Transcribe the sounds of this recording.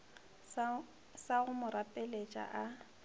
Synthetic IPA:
saɣʊmʊɾapʼɛlet͡ʃʼa̰ʔa

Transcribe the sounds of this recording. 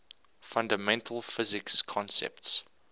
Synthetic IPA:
fãndəmɛ̃ntʰəl̩ˠfɪzɪkskʰɔ̃nsɛ̰p̚ts

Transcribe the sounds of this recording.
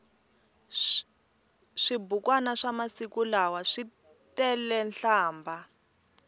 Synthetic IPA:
ʂibukwanaʂamasikulawaʂi | tɛlɛnɬaːmbʱa

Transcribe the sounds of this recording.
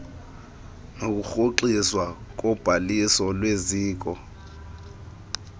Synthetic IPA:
nok̬uxoǃiswak̬ʼɔb̥ʱalisɔlweziːk̬ɔ

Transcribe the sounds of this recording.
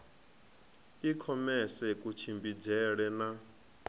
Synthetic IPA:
ikʰɔmɛsɛkʼut͡ʃʰimbid͡zɛɺɛna

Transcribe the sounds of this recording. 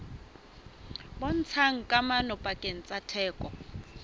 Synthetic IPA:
bɔn̩t͡sʰaŋ̩kʼamanɔpʼakʼen̩t͡sʼatʰɛːkʼɔ

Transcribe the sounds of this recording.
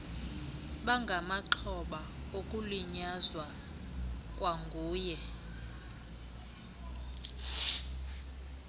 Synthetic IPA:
ɓaŋɡʱamaǃʰɔɓaokʼuliɲazwa | kʼwaŋɡʱuːjɛ

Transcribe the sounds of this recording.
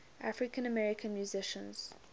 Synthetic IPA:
ʔafɹɪkə̃nəmɛɹɪkʰə̃nmjuzɪʃə̃nz̥

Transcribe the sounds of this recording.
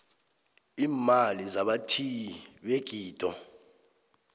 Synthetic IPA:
iːmalizaɓatʰiɓeɡ̥ʱiːd̥ʱʼɔ

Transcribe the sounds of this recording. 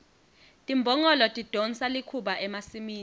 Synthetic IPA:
tʼimbʱɔŋɔlɔtʼid̥ʱɔnsalikʰuɓaʔɛmasimiːn

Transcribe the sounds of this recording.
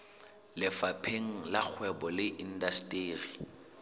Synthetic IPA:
lɪfapʰeŋ̩lak͡xʰwɛbɔlɪʔin̩dastʼeːri

